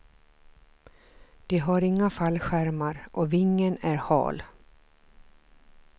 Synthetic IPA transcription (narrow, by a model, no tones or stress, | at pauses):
d̪̥ɛɦaɾɪŋːafalɧæɾmaɾʔɔvɪŋːənæɾhɑ̰ːl